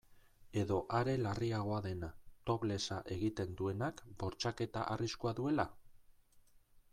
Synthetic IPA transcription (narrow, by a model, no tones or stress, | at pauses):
e̞ðo̞ʔaɾe̞lariaɣ̞o̞aðe̞nat̪o̞βle̞saʔe̞ɣit̪e̞nd̪ue̞nakbo̞ɾt͡ʃake̞t̪a̰ʔariskuaðue̞la